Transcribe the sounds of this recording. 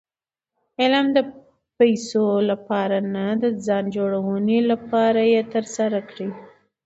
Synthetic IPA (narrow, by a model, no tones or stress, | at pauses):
ɪlamd̪ə | pajsolapɑɾanad̪əzɑnd͡ʒoɽawənelapɑɾajet̪əɾsaɾakɽi